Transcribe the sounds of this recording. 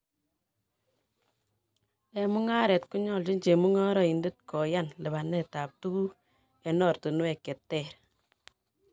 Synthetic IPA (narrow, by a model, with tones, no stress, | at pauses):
ɛ˨mu˦ŋa˦ɾɛ˨tku˦ɲɔː˦˨ld͡ʒi˦ɲd͡ʒe˨mu˦ŋɔ˦ɾɔ˨i˨nde˦t̚kɔ˨ja˦nlɪ˨ba˨nːɛ˨ta˨p̚tu˦ɡu˦ | ɛ˨nɔ˦˨ɾto˨nu˦ɛ˨kːɛ˨tːɛ˦˨ɾ